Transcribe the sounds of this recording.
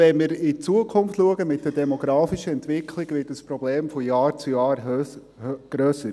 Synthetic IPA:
ɛnmɪːɾɪt͡suəkʰʊnftluəɡəmɪt̚d̥ɛdɛmɔɡɾɑːfiʃəɛntʋɪkʰlɪɡʋɪːtəspɾɔbleːmfɔjɑːɾt͡sujɑːɾ | ɡ̥ɾøːsə

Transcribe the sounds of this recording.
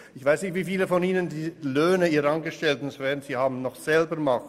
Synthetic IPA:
ʔɪçv̥aɪsnɪçtv̥iːfiːləfɔniːnəndiːløːnəiːʁəɑnɡəʃtɛltnsvɛːɐʁnz̥iːhaːbm̩nɔχz̥ɛlbəma

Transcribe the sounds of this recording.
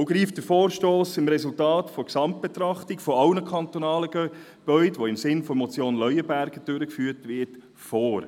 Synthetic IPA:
oʊɡɾiːftd̥əfoːɾʃtoːsɪmɾɛsultɑːtfɔksɑmt̚b̥et̪ɾɑχtɪkfɔɑʊnəkʰɑnt̪onɑːləɡɛ | b̥œʏdʋoɪmsɪnfɔmɔt͡sjoːnlœʏəbæɾɡ̥əd̥øɾəkfyːtʋɪɾt | foːɾ

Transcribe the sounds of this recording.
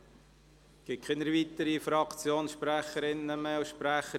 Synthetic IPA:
kɪkʰɪnəɾvit̪əɾifɾɑkt͡sjoːnsʃpɾæχəɾɪnːəmeːʊʃpɾæχə

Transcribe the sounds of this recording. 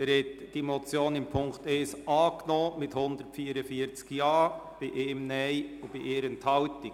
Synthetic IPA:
ɛɾhɛtd̥imot͡sjoːnɪmpʰʊŋktɛːsɑːknɔːmɪthʊnd̪əɾtfiːəɾəfiːəɾt͡skjɑːb̥ɪʔeːmnɛɪʊb̥iʔeːɾənthɑwtɪ

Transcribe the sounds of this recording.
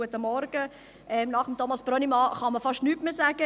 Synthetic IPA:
uətəmɔɾɡ̥ə | ʔɛmnɑχəmtʰomɑsb̥ɾønimɑχɑməfɑʃtnyːtmeːsæːɡ̥ə

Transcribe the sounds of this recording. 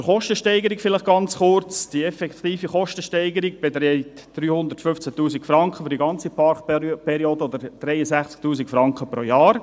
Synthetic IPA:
əχɔʃtəʃtɛɪɡəɾɪkfɪlɪχɡ̥ɑnt͡sχʊɾt͡sd̥iɛfɛkt̪iːfiχɔʃtəʃtɛɪɡəɾiɡb̥et̪ɾɛɪttd̥ɾyːhʊnd̪əɾtfʏft͡sætuːsikfɾɑŋkχəfyɾdiɡɑnt͡sipʰɑɾkpʰɛɾioːdəɔd̪əɾd̥ɾɛɪəsæχt͡sk̚tuːsikfɾɑŋkχəpɾoːjɑːɾ

